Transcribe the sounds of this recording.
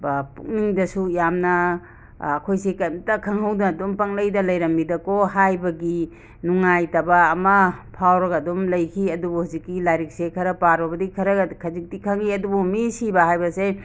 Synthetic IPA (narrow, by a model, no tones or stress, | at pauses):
bpṵk̚niŋdɐsujamnɐː | kʰojsekɐjmtɐkʰɐŋhɐwddompɐŋlɐjdɐlɐjɾɐmːidɐkoɦajbɐɡi | nuŋajtɐbaːmɐpʰawɾɐɡɐdomlɐjkʰiɐdubuhazikːilajɾik̚sekʰɐɾɐpaɾɔbɐdikʰɐɾɐɡkʰɐzik̚tikʰɐŋiɐdubumisibɐhajbɐse